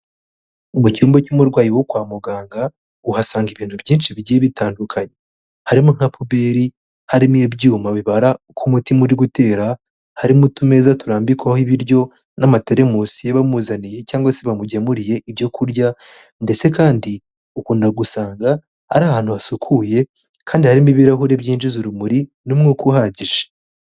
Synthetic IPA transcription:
uβucuːmbocumuɾɡwaːjiwokwaːmuɡaːŋɡa | uhasaːŋɡiβiːn̥hubjiːnʃiβiɟieβitaːndukʰaɲe̞ | haɾimuŋ̥hapubeɾi | haɾimujebɟuːmaβiβaɾa | kʰumutimuɾiɡute̞ːɾa | haɾimutume̞zatuɾaːmbikwahiβiɾjo̞ | namateɾe̞musijeβamuːzanije̞caːŋɡwaseβamuɟamuɾije̞ʔiβjo̞kʰuɾɟa | nde̞t͡se̞kaːndi | ukuːndaɡusaːŋɡa | a̰ɾaːhaːn̥huβasukʰuje̞ | kʰaːndihaɾimiβiɾaɦuɾe̞bɟiːnʃiziɾumuɾi | numŋokuhaɟiʒḁ

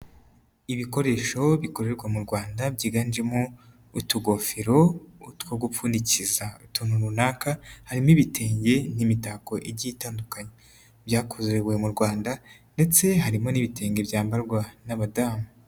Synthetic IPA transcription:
iβiko̞ɾe̞ːʃo̞βiko̞ɾe̞ɾɡwamuɾɡwaːndabɟiːɡand͡ʒemo | utuɡo̞fiɾo̞utkwoɡupuːnicizautumuɾunaːkahaɾimiβitʰe̞ːɲɟe̞nimitako̞ʔeɟitaːndukaɲe | bjaːkozewe̞muɾɡwaːndande̞t͡se̞ɦaɾimo̞niβite̞ːɲɡe̞bjaːmbaɾɡwanaβadaːmu

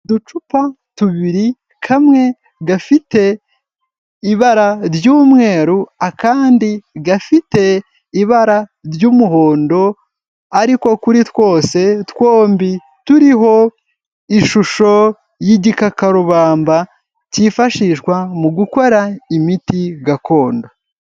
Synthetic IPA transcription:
dut͡ʃupa | tuβiɾi | kʰamŋe̞ | ɡafite̞ | iβaɾaɾjuːmŋe̞ːɾuakaːndiɡafite̞ | iβaɾaɾjumuɦo̞ːndo̞ | aɾiko̞kuɾitwo̞ːse̞two̞ːmbi | tuɾiɦo̞ | iʃuʃo̞ | jiɟikakaɾuβaːmba | cifaʃiʃkwamuɡuko̞ɾaimitiɡako̞ːndo

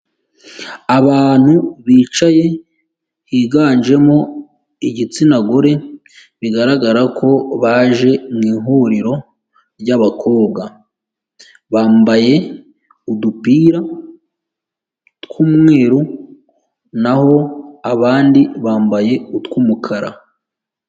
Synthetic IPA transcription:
aβaːn̥huβiːt͡ʃaje̞ | hiɡaːnʒe̞mo̞ | iɟit͡sinaɡoɾe̞ | βiɡaɾaɡaɾakʰo̞βaːʒe̞mŋiːɦuɾiɾo̞ | ɾɟaβakʰo̞ːβ̚ɡa | βaːmbaje̞ | udupiːɾa | tkumŋe̞ːɾu | naho̞aβaːndiβaːmbaje̞utkumukʰaɾa̰

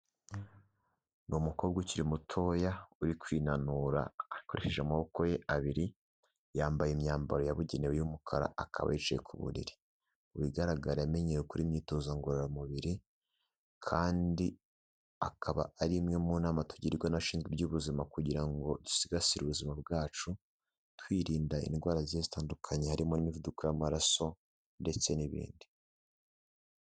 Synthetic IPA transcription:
numukoːbɡuciɾimutʰo̞ːjauɾikwiːnanuɾa̰ːko̞ɾeʃe̞ʒamaβo̞ko̞jeʔaβiɾi | jaːmbajemɲaːmbaɾo̞jaβuɟenewejumukʰaɾa̰akʰa̰βa̰jit͡ʃajḛkʰuβṵɾḭɾi | uβiɡaɾaɡaɾaame̞ɲejukuɾimɲiːto̞zaŋɡoɾeɾamuβiɾi | kʰaːndi | akʰaβa̰ːɾimŋemunaːmatu̥ɟiɾiɾɡwanaʃiːnzɡwibɟuːβuzimakuɟiɾaŋɡo̞tu̥siɡasiɾṵβuzimab̚ɡaːt͡ʃu | twiːɾiːndaḭnɡwaːɾaziezitaːndukʰaɲe̞haɾimo̞nimivudukujamaɾaso̞ | nde̞t͡se̞niβḭːndi̥

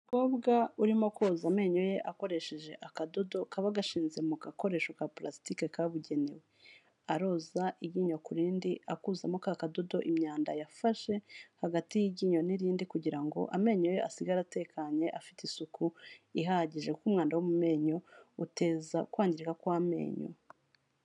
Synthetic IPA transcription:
koːbɡauɾimoko̞ːzame̞ːɲo̞je̞ʔako̞ɾe̞ʃeʒe̞ʔakado̞do̞kaβaɡaʃiːnze̞mukako̞ɾe̞ːʃokaplastike̞kaβuɟe̞ne̞̰we | aɾo̞ːzaʔiɟiɲo̞kuɾiːndiakuːzamokakado̞do̞ʔimɲaːnda̰jafaʃe̞haɡatijiɟiːɲoniɾiːndikuɟiɾaŋɡo̞̰ʔame̞ːɲo̞je̞ʔasiɡaɾate̞kʰaɲe̞ʔafi̥tisukuiɦahɟiʒe̞kuːmŋaːndawumume̞ːɲo̞ute̞ːzakwaːɲɟiɾikakwame̞̰ːɲo̞̰

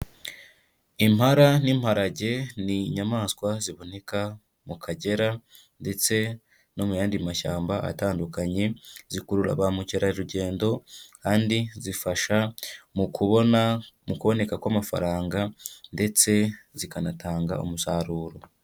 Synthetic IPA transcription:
imhaɾanimhaɾaɟe̞niɲamaːnskwaziβo̞ne̞ka | mukʰaɟe̞ɾa | nde̞t͡se̞ | no̞mujaːndimaʃa̰ːmba̰ːtaːndukaɲe̞zikuɾuɾa̰βamuceɾaiɾuɟe̞ːndo̞kaːndizifaʃamukʰuβonamukuβo̞ne̞kakwamafa̰ɾaːŋɡande̞t͡se̞zikanatʰaːŋɡa̰o̰musaɾuːɾo̞

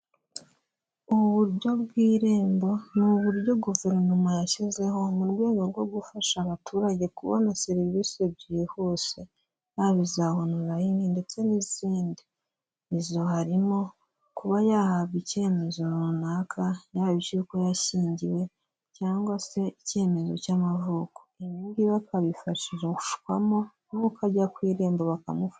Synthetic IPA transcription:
uβuβuɾɟo̞βɡwiːɾeːmbo̞nuβuɾɟo̞ɡuve̞ɾnomajaʃize̞ho̞muɾɡe̞ːŋɡo̞ɾɡo̞ɡufaʃaβatʰuːɾaɟe̞kuβo̰neseɾiβiβisiebɟiːhuse | jaβizahonuɾajininde̞t͡se̞niziːndi | ezo̞haɾimo̞ | kuβajahaβɡice̞ːme̞zo̞ɾunakʰajahaβit͡ʃiuko̞jaʃiːɲɟiwe̞ | caːŋɡwase̞ice̞ːme̞zo̞̰camavuko̥iβiːŋɡiβakʰaβifaʃiʒeku̥ʃu̥kwa̰mo̞ | nukaɟakwiːɾeːmboβaka̰mufa

